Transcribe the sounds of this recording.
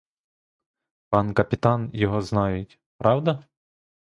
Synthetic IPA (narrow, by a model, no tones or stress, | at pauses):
pɑnkɐpʲit̪ɑnjɔɦɔznɑjʊtʲ | pɾɑwd̪ɐ